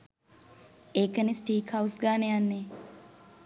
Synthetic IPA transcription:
eːkənisʈiːkhawsɡaːnejanːe

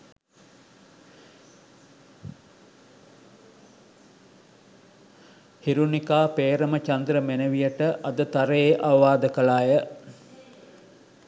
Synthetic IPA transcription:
hiɾunikaːpeːɾəmət͡ʃɐnd̪ɾəmenəʋijəʈəʔɐd̪ət̪ɐɾəeːʔaʋɐʋaːd̪əkəlaːjə

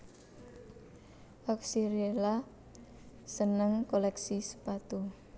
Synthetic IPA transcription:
ʔɔksiɾiela | sənəŋkolɛksisə̥pat̪u

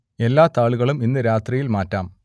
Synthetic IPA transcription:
e̞lːaːt̪aːɭuɣɐɭuminːɨɾaːt̪rijilmaːtːaːm

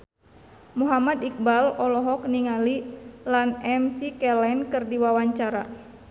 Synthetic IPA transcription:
muɦamad̪ik̚balɔlɔɦɔk̚niŋalilanɛmsikɛlɛnkɨrdiwawaɲt͡ʃaɾa̰

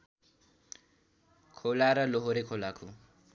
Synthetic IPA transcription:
kʰolaɾaloɦoɾekʰolakʰu

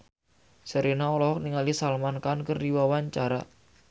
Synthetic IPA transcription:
səɾinaɔlɔɦɔk̚niŋalisalmankankərdiwawaɲt͡ʃaɾa

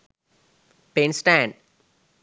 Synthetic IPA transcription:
pẽːnsʈæ̃ɳɖ

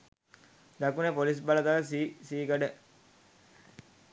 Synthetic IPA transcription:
d̪ɐkunepolis̬bɐlɐt̪aːsisiːɡɐɖe

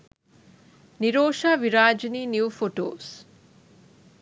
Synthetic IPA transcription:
niɾoːʃaːʋiɾaːd͡ʒiniːnjuufoʈo̰ːs

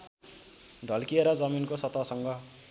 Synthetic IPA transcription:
ɖʱʌlkieɾʌd͡zʌminkosʌt̪ʌsʌŋɡʌ

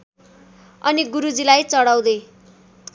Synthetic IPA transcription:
ʌniɡuɾud͡zilajt͡sʌɽaw̃d̪e

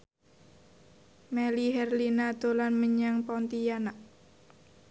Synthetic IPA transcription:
mɛliɦɛrlinad̪̥o̤lanməɲaŋpɔnt̪ijanaʔ

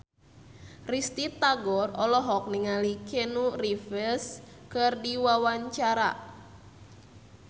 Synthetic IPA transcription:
rist̪it̪aɡɔrɔlɔɦɔk̚niŋalikenurifəskɨrdiwawaɲt͡ʃaɾa̰

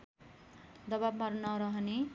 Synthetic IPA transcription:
d̪ʌbabmaɾunʌɾʌɦʌne

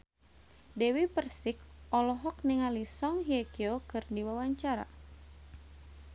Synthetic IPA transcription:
dɛwipərsɪkɔlɔɦɔk̚niŋalisɔŋɦiekiokɨrdiwawaɲt͡ʃaɾa̰

